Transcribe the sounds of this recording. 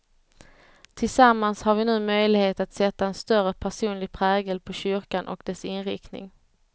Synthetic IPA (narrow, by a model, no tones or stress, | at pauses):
t̪ʰɪlsamːanshaɾvɪnʉ̟ːmœjlɪɡheːt̪at̪sɛt̪ːaɛnst̪œɾəpʰæʂuːnlɪɡ̚pʰɾɛːɡəlpʰɔɕʏɾkanʔɔ̰kd̪ɛsɪnɾɪknɪ̰ŋ